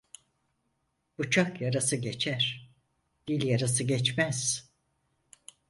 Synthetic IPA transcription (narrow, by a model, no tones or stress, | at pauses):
b̥ut͡ʃʰakjaɾasɯɟet͡ʃʰæɾ̥ | d̪̥ilʲjaɾasɯɟɛt͡ʃmæz̥